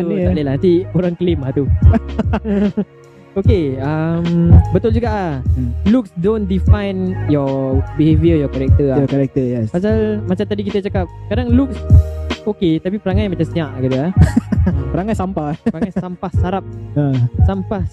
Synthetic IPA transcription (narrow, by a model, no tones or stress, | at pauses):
t̪utalelaɦnant̪ioɾaŋkəlimlaht̪u | okeəmbət̪ʊld͡ʒuɡaʔaluk̚sdondifajnjɔbiɦeviəjɔkaɾɛk̚t̪əajɔkaɾɛk̚t̪əjɛspasalmasalt̪adikit̪ət͡ʃakap̚kadaŋluk̚soket̪apipəɾaŋajmat͡ʃamsiãʔkit̪əahəpəɾaŋansampaəɾaŋajsampahsaɾap̚asampah